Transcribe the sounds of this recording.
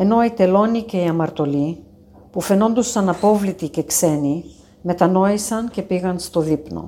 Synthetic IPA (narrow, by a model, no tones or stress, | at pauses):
e̞no̞it̪e̞lo̞nice̞iɐmɐɾt̪o̞li | pufe̞no̞nd̪usɐnɐpo̞vlit̪ice̞kse̞ni | me̞t̪ɐno̞isɐnce̞piɣɐnst̪o̞ðipno̞̰